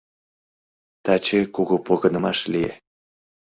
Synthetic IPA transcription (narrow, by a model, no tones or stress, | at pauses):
t̪ɑt͡ɕekuɣopoɣɤnə̆mɑʃlie